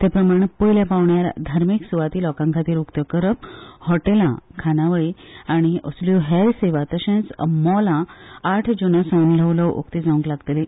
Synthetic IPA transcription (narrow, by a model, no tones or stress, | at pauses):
t̪epɾəmaɽ̃epəjljapaʋɳjaɾd̪ʱaɾmiksuʋat̪iːlɔkãŋkʰat̪iːɾukt̪əkəɾəp̚hɔʈelã̰kʰanaʋəjaɽ̃iəsljuɦɛɾseʋat̪əɕẽt͡smɔlãːʈʰd͡ʑunəsə̃nləʋləwo̰kt̪id͡zaũŋklaɡt̪ele